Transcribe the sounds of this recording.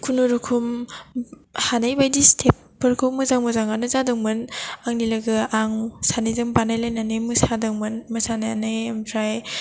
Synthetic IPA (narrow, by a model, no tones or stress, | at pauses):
kʰunuɾɯkʰum | hanajbajdistʰep̚ | pːɯɾkʰɯwmɯzaŋmɯzaŋanɯzadɯŋmɯnaŋnilɐɡɯaŋsanizɯŋbanajlajnanemɯsadɯŋmɯnmɐsanajanajmtʰɾaj